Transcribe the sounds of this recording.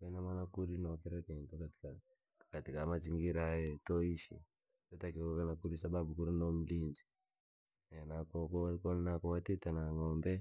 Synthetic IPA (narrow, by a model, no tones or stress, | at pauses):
wenamanakuɾinokiɾakentokati̥ka | katikamat͡ʃiŋɡiɾajetoiʃḭ | totakioβanakuɾisababukuɾinomulind͡ʒi | nenakokokonakɔwatitanaŋoːmbɛ